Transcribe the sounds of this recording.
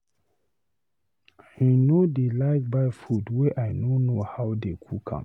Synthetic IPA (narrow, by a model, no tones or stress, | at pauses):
hinodilaɪkbajfudweʔajnonohawdekʰukʰã̰m